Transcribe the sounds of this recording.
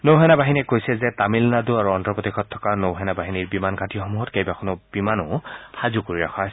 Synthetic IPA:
nowɦɛnabaɦinɛkojsɛzɛtamilnaduaɹuɔntɹɔpɔtixʰɔtʰːɔ̥kanowɦɛnabaɦiniɹbimanɡʱatiɔxɔmuɦɔtkejbakʰɔnɔb̥imanʊxazukoɹiɹakʰa

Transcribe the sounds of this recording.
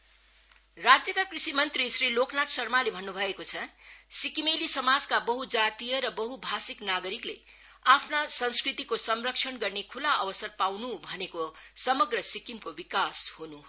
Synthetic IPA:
rad͡zjʌkakrisimʌnt̪risriloknat̪sʌrmalebʱʌnːubʱʌekot͡sʰʌsikimelisʌmad͡zkabʌɦud͡zat̪ijʌɾʌbʌɦubʱasiknaɡʌɾiklḛ | apʰnasʌnskrit̪ikosʌmrʌk̚t͡ʃʰʌnɡʌrnekʰulaʌbʌsʌrpawnubʱʌnekosʌmʌɡrʌsikimkobikashunu

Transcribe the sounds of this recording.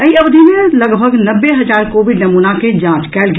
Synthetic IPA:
əiəʋd̪ʱimeləɡbʱəɡnəbːeɦɐd͡ʒaːɾkoːʋiɖnɐmuːnaked͡ʒãːt͡ʃkɛːlɡ

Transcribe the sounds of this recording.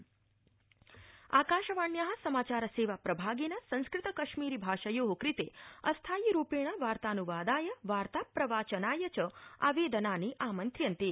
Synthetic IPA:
a̰ːkaːʃɐʋaːɳjaɦɐ̆sɐmaːt͡ʃaːɾɐseːʋapɾɐbʱaːɡenasɐ̃ñskɾɪt̪əkɐʃmiːɾibʱaːʃɐjoːɦokɾit̪eɐst̪ʰaːjiɾuːpeːɽ̃aʋaːɾt̪aːnuʋaːd̪aːjɐʋaːɾt̪apɾɐʋaːt͡ʃɐnaːjɐt͡ʃɐa̰ʋeːd̪ɐnaːniʔaːmɐnt̪ɾjɐnt̪e

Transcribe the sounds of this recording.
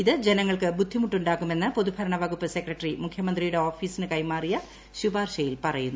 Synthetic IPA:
iðɨd͡ʑe̞nɐŋːɐɭkɨbud̪ʱːimuʈːuɳɖaːkːume̞nːɨpoðubʱɐɾɐɳɐʋɐɡupːɐse̞krɐʈːrimukʰjɐmɐnd̪rijuɽe̞o̞ːfiːsinɨkɐjmaːrijɐ | ɕubaːrɕɐjilpɐrɐjunːu

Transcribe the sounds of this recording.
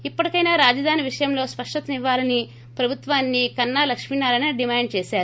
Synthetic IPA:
ipːɐɽɐkɐjnaːɾaːd͡ʒɐd̪ʱaːniʋiʂɐjɐmlo̞ːspɐʂʈɐt̪ɐniʋːaːlɐni | pɾɐbʱut̪ʋaːnːikɐnːaːlɐkʂminaːlɐnɐɖimaːɳɖ̚t͡ʃeːsaːɾu

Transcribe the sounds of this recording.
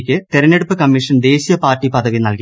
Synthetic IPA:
kʲːɨt̪iɾɐnːeɽupːɨkɐmːiʂɐnd̪e̞ːɕijɐpaːrʈːipɐðɐʋinɐlki

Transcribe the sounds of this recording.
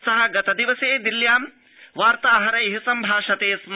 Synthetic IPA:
sɐɦɐɡɐt̪ɐd̪iʋɐseːd̪iljaːm | ʋaːɾt̪aːɦɐɾɐjɦisɐmbʱaːʂɐt̪eːsm

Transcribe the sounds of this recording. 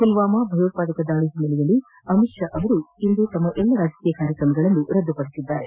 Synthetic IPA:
silʋaːmɐbʱɐjot̪̚paːd̪ɐkɐd̪aːɭiɦimːɐlɛjɐlːi | ɐmiʃjɐʔɐʋɐɾuind̪ut̪ɐmːɐʔɛlːɐɾaːd͡ʒɐ̥kiːjɐkaːɾjɐkɾɐmɐɡɐɭɐnːuɾɐd̪ʱːupɐɽit̪id̪ːaːɾe

